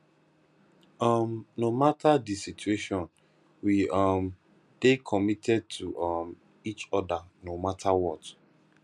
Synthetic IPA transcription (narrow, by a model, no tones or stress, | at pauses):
ɔmnomatʰadisitueʃɔ̃n | wiɔm | d̥ekʰɔmitʰɛd̚tʰuʔɔm | it͡ʃɔdanomatʰawɔt